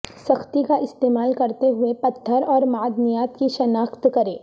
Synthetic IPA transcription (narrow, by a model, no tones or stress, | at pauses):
sɐxt̪ikaʔɪst̪eːmaːlkɐɾt̪eɦʊepɐt̪ʰːəɾɔːɾmaːd̪nijaːt̪kiʃɐnaːxt̪kɐɾeː